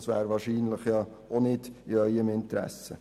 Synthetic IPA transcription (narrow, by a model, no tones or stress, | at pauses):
sʋæ̰ːɾʋɑːɾʃiːnləχjɑː | ʔonɪd̥ɪœʏəmɪnt̪ɾɛ̰sə